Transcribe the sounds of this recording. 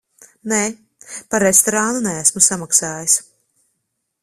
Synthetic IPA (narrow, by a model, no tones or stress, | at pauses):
nɛː | paɾːest̪ɔɾanunææsmusamaksaːjis